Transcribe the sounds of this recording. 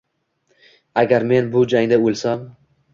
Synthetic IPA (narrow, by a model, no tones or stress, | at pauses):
aɡʲaɾme̞nbʊd͡ʒaŋd̪aolˠsam